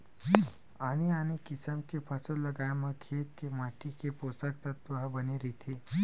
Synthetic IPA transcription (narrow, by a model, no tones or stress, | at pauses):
aːniaːnikɪsəmkepʰɐsolɐɡaːemãkʰeːt̪kemaːʈikepoːst̪ək̚t̪ɐt̪uɦabɐniɾit̪ʰi